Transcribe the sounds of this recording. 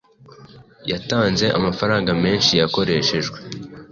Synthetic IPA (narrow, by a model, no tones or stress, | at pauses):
jataːnze̞ʔa̰mafaɾaːŋɡame̞ːnʃijako̞ɾe̞ʃe̞ʒɡwe̞